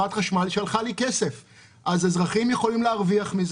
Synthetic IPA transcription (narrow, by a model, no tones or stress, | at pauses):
at̪χaʃmalʃalχalike̞se̞f | ʔazezʁaχimje̞χo̞limleaʁviaχmiz